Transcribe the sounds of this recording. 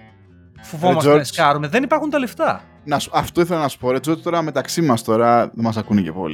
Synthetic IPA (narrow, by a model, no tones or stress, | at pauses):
fovomɐsoskɐɾumeðenipɐɾxunt̪ɐleft̪ɐ | nɐsu̥ɐft̪oiθelɐnɐsu̥po̞ɾe̞t͡sio̞t̪i̥t̪o̞ɾɐme̞t̪ɐksimɐst̪o̞ɾɐðemɐsɐkunece̞po̞̰l